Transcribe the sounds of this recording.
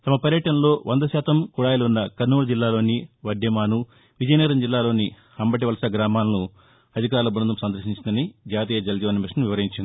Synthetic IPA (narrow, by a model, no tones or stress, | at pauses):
t̪ɐmɐpɐɾjɐʈɐnɐlo̞ːʋɐnd̪ɐʃɛːt̪ɐmkuɽaːjɐlɐunːɐkɐnːuːɽɐd͡ʒilːaːlo̞ːniʋɐɖjɐmaːnu | ʋid͡ʒɐjniːɾɐmd͡ʒilːaːlo̞ːni | ɐmbɐʈ̬iʋɐlɐsaɡɾaːmaːlɐnu | ɐd̪ʱikaːɾlɐbɾɐnd̪ɐmsɐnd̪ɐɾʃiɲt͡ʃind̪ɐnid͡ʒaːt̪̬iːjɐd͡ʒɐld͡ʒ̪iʋɐnmiʂɐnɐmʋiʋɐɾiɲt͡ʃind̪i̥